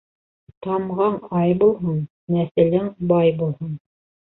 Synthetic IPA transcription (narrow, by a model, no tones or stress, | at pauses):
t̪ɑmʁɑɴɑjbulˠɦɤn | næsɘ̆lɘŋbɑjbulˠhɤn